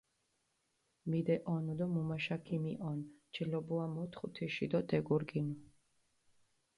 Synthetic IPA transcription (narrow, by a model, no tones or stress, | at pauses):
mid̪ɛʔɔnɔd̪ɔmumaʃakʰimiʔɔnt͡ʃʰʼɛlɔbuamɔt̪ʰχut̪ʰiʃid̪ɔd̪ɛɡuɾɡinu